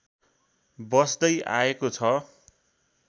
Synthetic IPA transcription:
bʌsd̪ʌjʔa̰ekot͡sʰʌ

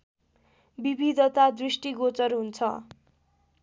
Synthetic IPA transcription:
bibid̪ʱʌt̪ad̪risʈiɡot͡sʌrɦunt͡sʰʌ

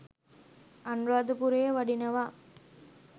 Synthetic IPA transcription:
ɐnɾaːd̪upuɾejʋɐɖinɐʋaː

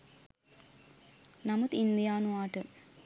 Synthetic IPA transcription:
nɐmut̪ind̪ijaːnuaːʈə

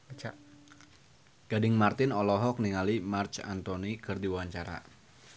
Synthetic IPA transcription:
t͡ʃa | ɡ̥adɪŋmart̪ɪnɔlɔɦɔk̚niŋalimart͡ʃa̰nt̪onikɨrdiwwaɲt͡ʃaɾa̰

